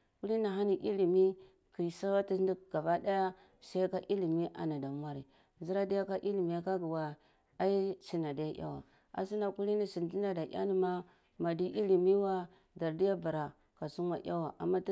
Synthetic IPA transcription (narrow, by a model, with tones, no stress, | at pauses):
ku˦li˦na˨ɦa˦ni˨ʔi˦li˨mi˦ | ki˨sa˦wa˦ti˦di˦ɡ̥a˨ba˦da˦ja˦ | sa˦ka˦ʔi˦li˨mi˦ʔa̰˨na˨da˨mʷ˦a˦ɾi˨ | zi˦ɾa˦di˦ja˦ka˦ʔi˦li˨mi˨ja˨˦ka˦ɡi˨wa˨ | a˦i˦si˦na˨da˨˦ja˦ja̰˦wa̰˨ | a̰˨si˦na˨ku˦li˦ni˦si˨nti˦na˨da˨ʔa̰˦ni˦ma˦ | ma˨di˦ʔi˦li˨mi˦wa˦ | da˨ɾdi˦ja˦ba˨ɾa˨ | ka˨su˦nwa˨ʔja˦wa˨ʔa̰˨mːa˦